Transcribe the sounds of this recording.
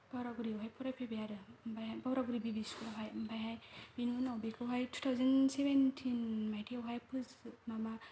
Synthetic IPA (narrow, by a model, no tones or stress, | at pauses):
b̥awɾaɡuɾiɔɦajpʰɔɾajpʰebejaɾɯmbajɦajbawɾaɡuɾibibiskuɾaɦajɯmbʰajɦajb̥inunawbekʰawɦajtʰu̥tʰawzansebentʰinmajtʰiawɦajpʰɯzmama